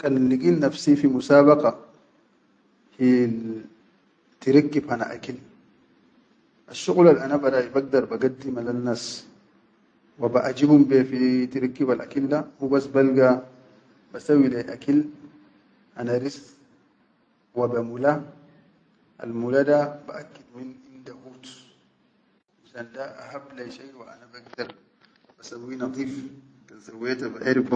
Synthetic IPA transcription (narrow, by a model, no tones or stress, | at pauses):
kʼɐllɪkʼilnɐfsifimʊsaːbɐqʼɑ | hil | t̪ɪɾɪkːɪbhana̰ʔa̰kɪl | ʔɐʃːʊqʼʊlalɐnabɐdaibɐɡ̚d̪ɐɾbɐɡɐd̪ːimɐlɐnːas | wɐbaʔad͡ʒɪbʊmbɛfit̪ɪɾɪkːɪbalɐ̰kɪlːahubɐsbɐlɡa | basawilaʔakil | ʔanaɾis | wabamula | ʔa̰lmuladabaʔakːid̪minʔind̪ahuːt̪ | misandaʔa̰hablaʃajwaʔa̰nabaɡd̪ɑɾˤ | basawːinɑd̪ˤiːfkasawet̪abaʔaɾif